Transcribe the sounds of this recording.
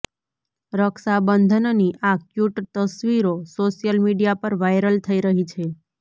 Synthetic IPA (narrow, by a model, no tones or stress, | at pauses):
ɾəksabənd̪ʱənniʔakjuʈt̪əsʋiɾosoʃijəlmiɖijapəɾʋajɾəlt̪ʰəiɾəɦit͡ʃʰe